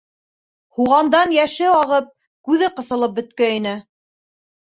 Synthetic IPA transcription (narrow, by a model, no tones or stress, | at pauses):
huʁɑnd̪ɑnjæʃɘɑʁɤp̚ | kʉðɘqɤ̆sɤ̆lˠɤp̚bɵ̆t̪̚kæinɘ